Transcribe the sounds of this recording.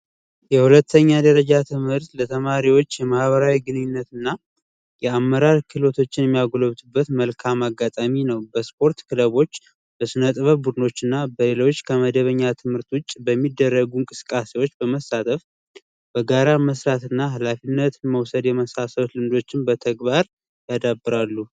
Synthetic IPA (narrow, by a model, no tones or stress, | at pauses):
jɛhulət̪ʰːəɲːad̪əɾəd͡ʒat̪ʰɨmhɨɾt̪lət̪ʰəmaɾiwo̞t͡ʃːjɛmahβəɾawiɡɨnɨɲːɪnːət̪ɨnːa | jɛamːəɾaɾkʰɨlo̞t̪ʰo̞t͡ʃːɪnjɛmːijaɡoloβt̪ʰɨbːət̪məlkʰamaɡːat̪ʼaminəwbəspʰo̞ɾt̪kʰɨləβo̞t͡ʃː | b̥əsɨnət̪ʼɨβəbud̪ɨno̞t͡ʃːɨnːabəle̞lo̞t͡ʃːkʰəməd̪əβəɲːat̪ʰɨmhɨɾt̪wʊt͡ʃʼːbəmːid̪ːərːəɡuŋkʼɨsɨ̥kʼase̞wo̞t͡ʃːbəməsːat̪ʰəf | b̥əɡaɾaməsɾat̪ɨnːaɦalafinːət̪məwsəd̪jɛməsasəβt̪lɨmd̪o̞t͡ʃːɪnbət̪ʰəɡbaɾ | jad̪abːɨɾalːu